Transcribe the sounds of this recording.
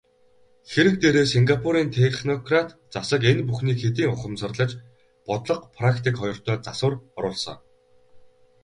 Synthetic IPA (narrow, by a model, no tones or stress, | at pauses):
xeɾɘ̆k̚t̪eːɾeːsiŋɡapʰuɾiːnt̪ʰeχnɔkʰrat̪ | t͡sasə̆kenpuxniːkxet̪̬iːŋʊχə̆msə̆rɮə̆t͡ɕ | pɔt̪ɮɞ̆qpʰrakʰt̪ʰikχɔjɞ̆r̥t̪ʰœːt͡sasʊ̆ːrɔɾʊːɮsɞ̰̆ŋ